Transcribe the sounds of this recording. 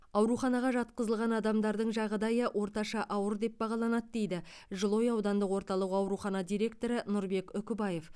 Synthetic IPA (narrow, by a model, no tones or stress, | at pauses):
ɑwɾuχɑnɑʁɑʒɑt̪̚qəzəlˠʁɑnɑd̪ɑmd̪ɑɾd̪əɴʒɑʁd̪ɑjəʔwʔo̞ɾt̪ɑʃɑʔɑwəɾd̪e̞p̚bɑʁɑlˠɑnɑt̪̚d̪e̞jd̪ɪ | ʒəlˠo̞jɑwd̪ɑnd̪əqwo̞ɾt̪ɑlˠəqɑwɾuχɑnɑd̪ijɾʲe̞k̚t̪o̞ɾənʊɾbe̞kʏkʲɪbɑje̞f